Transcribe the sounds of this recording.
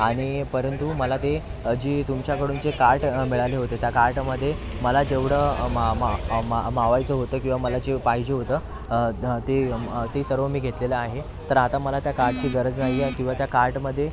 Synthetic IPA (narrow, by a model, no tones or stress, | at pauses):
aɽ̃ipəɾənt̪uməlat̪e | d͡ʑiːt̪umt͡ɕjakəɽuːnd͡zekaɾʈmiɭaleɦot̪et̪jakaɾʈməd̪ʱːje | məlad͡zeʋɽəmmaamaʋajt͡səɦot̪əːkĩw̃ʋaməlad͡ʑepaɦid͡ʑeɦot̪əː | t̪et̪esəɾʋəmiːɡʱet̪leləaɦe | t̪əɾat̪aməlat̪jakaɾʈ̚t͡ɕiːɡəɾəd͡znaɦikĩw̃ʋat̪jakaɾʈməd̪ʱːje